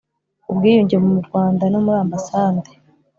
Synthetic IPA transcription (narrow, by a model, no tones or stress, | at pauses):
ubɡiːjuːɲɟemumuɾɡwaːndanomuɾaːmbasaːnde